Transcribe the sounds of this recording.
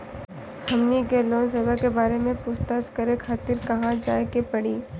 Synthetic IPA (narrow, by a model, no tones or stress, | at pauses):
hɐmnikeloːns̬eːbakebaːɾemẽpʊst̪əskɐɾekʰaːt̪ɪɾkɐɦãd͡ʒa̰ːekepɐɽ̤iː